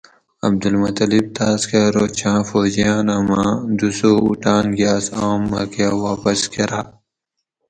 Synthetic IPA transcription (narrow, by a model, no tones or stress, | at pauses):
ɐ̰b̚d̪ulmɐt̪ɐlib̚t̪aːskeɾoːt͡ɕʰãːfoːd͡ʑijãːnɐmãːd̪usoːuʈaːnɡijaːsoːmːɐ̰kewaːpɐskeɾaː